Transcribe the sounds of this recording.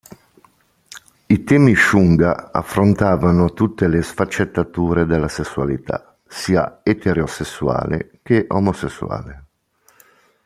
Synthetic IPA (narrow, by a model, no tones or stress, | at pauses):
it̪ɛːmiʃuŋɡaa̰fːɾont̪aːvanot̪ut̪ːelesfat͡ʃːet̪ːat̪uːɾed̪elːasesːualit̪ʰa̰ | siːa̰et̪eɾeosesːua̰ːlḛk̟eʔomosesːṵa̰ːle